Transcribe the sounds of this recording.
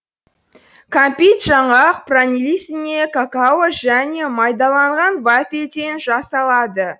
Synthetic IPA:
kʰampʲijt̪ʒɑɴɑq̚pranilʲisɪne̞kʰakawoʒæne̞mɑjd̪ɑlˠɑɴʁɑnvafʲet̪e̞nʒɑsɑlˠɑd̪ə

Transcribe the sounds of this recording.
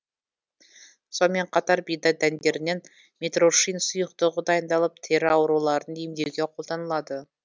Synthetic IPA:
so̞nme̞ɴqʰɑt̪ɑɾbijd̪ɑd̪ænd̪ʲe̞ɾɪne̞n | mʲet̪ro̞ʃijnsʊjəq̚t̪əʁəd̪ɑjənd̪ɑlˠəp̚t̪ʰe̞ɾɪɑwɾulˠɑɾənd̪ejmd̪e̞ɡʲeqʰo̞lˠd̪ɑnəlˠɑd̪ə

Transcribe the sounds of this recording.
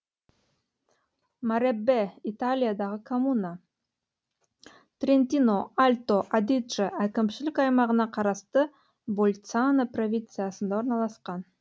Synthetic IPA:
maɾʲebːeit̪alʲijad̪ɑʁəkʰomuna | t̪rʲent̪ʲinoalʲt̪oʔad̪ʲit̪ʐɨʔækʲɪmʃɪlɪkɑjmɑʁənɑqʰɑɾɑst̪ə | bolʲt̪sanəprɐvʲint̪sɨjasənd̪ɑoɾnɑlˠɑsqɑn

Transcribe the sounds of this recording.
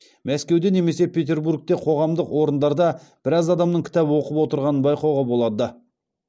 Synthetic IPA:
mæskʲe̞wd̪e̞ne̞me̞se̞pʲʰe̞t̪ʲe̞ɾbuɾk̚t̪eqʰo̞ʁɑmd̪əqwo̞ɾənd̪ɑɾd̪ɑb̥ɪɾɑzɑd̪ɑmnəɴkʲʰɪ̥t̪ɑbəwo̞qəpwo̞t̪əɾʁɑnənbɑjqɑwʁɑbolˠɑd̪ə

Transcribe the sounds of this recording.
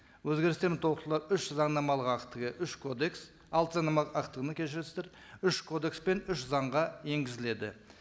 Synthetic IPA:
wɵzɡʲe̞ɾɪst̪emɪnt̪ʰo̞ət̪lˠɑɾʏʃzɑɴnɑmɑlˠəʁɑqt̪əʁəʔʏʃkʰod̪eks | ɑlˠt̪əzɑnɑmɑlˠəqɑqt̪əʁənəkʲʰe̞ʃ̬ɪɾst̪eɾ | ʏʃkʰo̞d̪e̞kspe̞nʏʃzɑɴʁɑje̞ŋɡʲɪzɪle̞d̪ɪ̰

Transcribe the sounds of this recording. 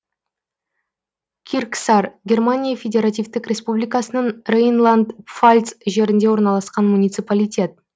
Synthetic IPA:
kʲʰirksɑrɡʲe̞rmanʲijafʲe̞dʲe̞ɾat̪ʲijvt̪ɪkrʲe̞spublʲijkɑsənəɴrejnlˠand̪falʲt̪sʒe̞ɾɪnd̪e̞wo̞ɾnɑlˠɑsqɑnmunʲijt̪sɨpalʲijtʲe̞t̪̚

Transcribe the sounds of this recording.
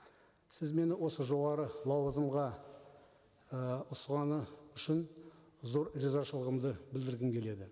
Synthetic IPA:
sɪzme̞nɪwo̞səʒo̞ʁɑɾəlˠɑwəzəmʁɑ | əʊsʁɑnəʏʃɪn | zo̞ɾrezaʃəlˠəʁəmd̪əbɪld̪ɪɾɡʲɪmkʲʰe̞le̞d̪ɪ

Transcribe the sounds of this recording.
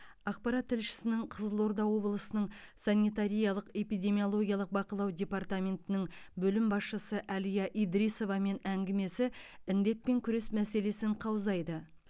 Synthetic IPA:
ɑq̚pɑɾat̪ʰːɪlʃɪ̥sɪnɪɴqʰəzəlˠo̞ɾd̪ɑwo̞blˠəsənəɴsanʲːit̪aɾijɑlˠəqe̞pijd̪ʲe̞mijo̞lˠo̞ɡʲijɑlˠəq̚bɑqəlˠɑwd̪ʲe̞part̪amʲe̞nt̪ɪnɪŋbɵlɪmbɑsʃəsəʔɑlijɑʔijd̪ɾijso̞vɑme̞næŋɡʲɪme̞sɪɪnd̪e̞t̪̚pe̞ŋkʲʰʏɾe̞smæse̞le̞sɪɴqʰɑwzɑjd̪ə

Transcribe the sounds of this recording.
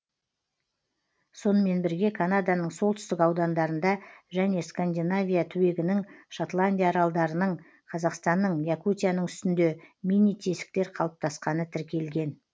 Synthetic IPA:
so̞nəme̞nbɪɾɡʲe̞kʰanad̪anəɴso̞lˠt̪ʏst̪ɪkɑwd̪ɑnd̪ɑɾənd̪ɑʒæne̞skand̪ʲinavʲijat̪ʰʏwe̞ɡʲɪnɪŋʃot̪lˠanʲd̪ʲijaːɾɑlˠd̪ɑɾənəɴ | qʰɑzɑqst̪ɑnːəɴjakut̪ʲijanəɴʏst̪ɪnd̪e̞mʲinːijt̪ʰe̞sɪ̥k̚t̪e̞ɾqʰɑlˠəp̚t̪ʰɑsqɑnət̪ʰɪɾkʲe̞lɡʲe̞n

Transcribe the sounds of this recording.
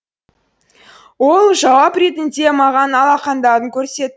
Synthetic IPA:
wo̞lˠʒɑwɑpɾe̞t̪ɪnd̪e̞mɑʁɑnɑlˠɑqɑnd̪ɑɾəŋkʲʰɵɾse̞t̪

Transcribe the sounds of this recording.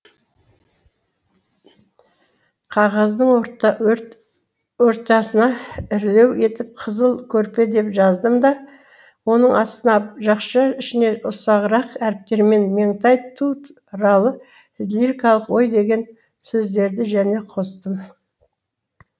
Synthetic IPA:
qʰɑʁɑzd̪əɴoɾt̪ | wo̞ɾt̪ɑsənɑɪɾle̞we̞t̪ɪp̚qʰəzəlˠkʲʰɵɾpe̞d̪e̞pʒɑzd̪əmd̪ɑ | wo̞nəɴʔɑst̪ənɑʒɑqʃɑɪʃɪne̞ʔʊsɑʁəɾɑqæɾɪp̚t̪e̞ɾme̞nmeŋt̪ɑjt̪ʰːu | ɾɑlˠə | ɪd̪liɾikɑlˠəqwo̞jd̪e̞ɡʲe̞n | sɵzd̪e̞ɾd̪ɪʒæne̞qʰo̞st̪əm

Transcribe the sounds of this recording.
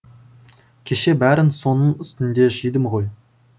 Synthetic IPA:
kʲʰe̞ʃe̞bæɾɪnso̞nəɴʏst̪ɪnd̪e̞ʒijd̪əmʁo̞j

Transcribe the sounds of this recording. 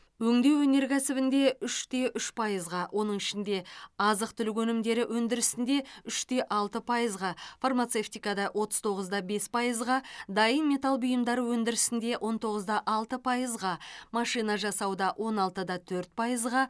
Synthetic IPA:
wɵŋd̪e̞wɵne̞ɾkʲʰæsɪbɪnd̪e̞ʏʃt̪e̞ʔʏʃpʰɑjəzʁɑwʔo̞n̪əɴɪʃɪnd̪e̞ɑzəq̚t̪ʰʏlɪkʲwɵnɪmd̪e̞ɾɪwʔɵnd̪ɪɾɪsɪnd̪e̞ʏʃt̪e̞ʔɑlˠt̪əpʰɑjəzʁɑfarmat̪seft̪ijkɑd̪ɑʔwʔo̞t̪ə̥z̥t̪ʰo̞ʁəzd̪ɑbe̞spʰɑjəzʁɑd̪ɑjənme̞t̪ɑlˠbʊjəmd̪ɑɾəwɵnd̪ɪɾɪsɪnd̪e̞wʔo̞nt̪ʰo̞ʁəzd̪ɑʔɑlˠt̪əpʰɑjəzʁɑmɑʃijnɑʒɑsɑwd̪ɑwʔo̞nɑlˠt̪əd̪ɑt̪ʰɵɾt̪̚pʰɑjəzʁɑ

